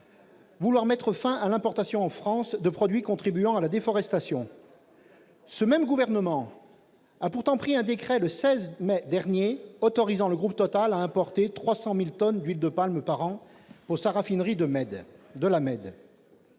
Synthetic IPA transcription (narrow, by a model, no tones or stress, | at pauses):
vulwaʁmɛt̪χəfɛ̃ʔalɛ̃pɔʁt̪asjɔ̃ɑ̃fχɑ̃sd̪əpχɔd̪ɥikɔ̃t̪χibyɑ̃alad̪efɔʁɛst̪asjɔ̃ | səmɛmɡuvɛʁnəmɑ̃ | apuʁt̪ɑ̃pχiɛ̃d̪ekχɛləsɛzmɛd̪ɛʁnjeɔt̪ɔʁizɑ̃ləɡʁup̚t̪ɔt̪alaɛ̃pɔʁt̪et̪χwasɑ̃milt̪ɔnd̪ɥild̪əpalmpaʁɑ̃ | puʁsaʁafinʁid̪əɛd̪əlamɛd̪